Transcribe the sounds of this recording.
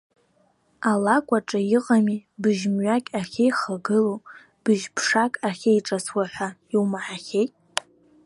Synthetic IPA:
alakʷʼaʈ͡ʂʼajiqʼamibɨʒmɥakʲʼaχʲejχaɡɨlo | b̥ɨʒpʰʂakʼaχʲejʈ͡ʂʼaswaħʷaiwmaħaχʲejtʼ

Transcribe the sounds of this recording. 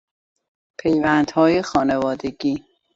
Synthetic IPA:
pʰejvænd̪hɒːjexɒːnevɒːd̪eɡiː

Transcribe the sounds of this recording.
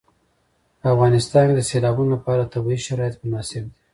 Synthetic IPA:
afɣɑnɪst̪ɑnd̪əselɑbunolapɑɾat̪abiʃaɾɑjat̪mʊnɑsɪb̚d̪e

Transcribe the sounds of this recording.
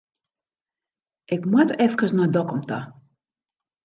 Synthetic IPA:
ʔɪkmwatɛfkəsnɔjdɔkɔmtʰa

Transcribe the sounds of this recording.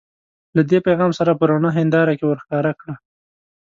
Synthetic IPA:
lad̪epajɣɑmsaɾapəɾanaɦɪnd̪ɑɾakewəɾxkɑɾakɽa

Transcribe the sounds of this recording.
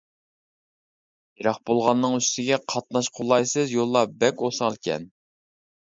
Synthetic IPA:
jeɾɑχbolˠʁɑnːɨŋyst̪ɪɡʲɛqʰɑt̪̚nɑʃqʰolˠːɑjsɨzjolˠːɑbɛkʲosɑŋlɪkʲʰɛ̰n

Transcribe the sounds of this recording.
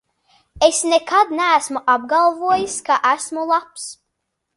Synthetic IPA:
esnekad̪nææsmuʔab̚ɡalˠvuɔjiskaʔæsmulˠaps

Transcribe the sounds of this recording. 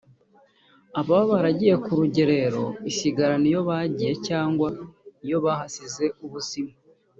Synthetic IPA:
aβaβaβaɾaɟije̞kuɾuɟe̞ɾe̞ɾo̞̰isiɡaɾanijo̞βaɟije̞caːŋɡwaijo̞βahasize̞uβusima

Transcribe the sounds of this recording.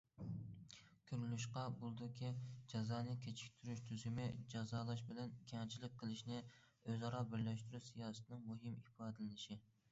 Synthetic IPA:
kʲʰøɾlyʃqɑbulˠd̪ʊkʲʰid͡ʒɑzɑːnɨkʲʰet͡ʃʰi̥kʲt̪ʰyɾyʃt̪ʰyzymɪd͡ʒɑzɑːlˠɑʃ̬bɪlɛnkʲʰɛŋt͡ʃʰilɪk̚ʲqʰəlˠɨʃnɪ | øzɑɾɑbɪɾlɛʃt̪yɾysijɑːsɨt̪ʰnɪŋmuɦɨmipɑːd̪ɨlɪnɪʃɪ

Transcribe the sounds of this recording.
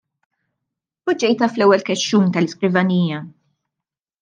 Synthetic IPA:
pʊd͡ʒɛjt̪ɐflɛwːɛlkɛʃːuːnt̪ɐlɪskɾɪvɐniːjɐ

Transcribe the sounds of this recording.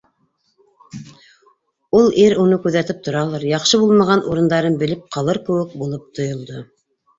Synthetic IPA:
ulˠiɾunɤkʉðæt̪ɘp̚t̪ŏɾɑlˠɑɾjɑqʃɤβulˠmɑʁɑnʔuɾɤ̆nd̪ɑɾɤnbɘ̆lɘp̚qʰɑlˠɤɾkɘ̆wɘk̚bulˠɤp̚t̪ʰŏjŏlˠd̪o

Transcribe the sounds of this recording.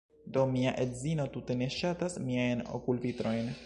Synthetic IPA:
d̪omiaʔedzino̞t̪ut̪e̞ne̞ʃat̪asmiajno̰kulvit̪ɾo̞jn

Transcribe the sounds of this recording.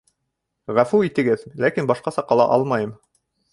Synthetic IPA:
ʁæfʉit̪ɘ̆ɡɘðlækinbɑʃqɑsɑqɑlˠɑ̰ʔɑ̰lˠmɑjɤm

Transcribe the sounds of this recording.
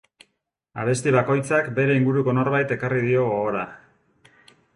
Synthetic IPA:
a̰β̞e̞st̪iβako̞jt͡sakbe̞ɾe̞iŋɡuɾuko̞no̞ɾβajt̪e̞karið̞io̞ɣoɣoɾa

